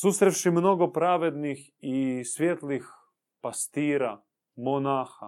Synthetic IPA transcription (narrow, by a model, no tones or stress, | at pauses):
suːsɾewʃimnoɡopɾaːʋed̪nix | isʋjeːt̪lix | past̪iːɾa | monaːxa